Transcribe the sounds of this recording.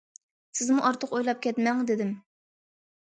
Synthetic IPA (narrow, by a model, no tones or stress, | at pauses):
sɪzmuʔɑɾt̪ʰəqojlˠɑp̚kʲʰɛt̪mɛŋd̪ɪd̪ɪm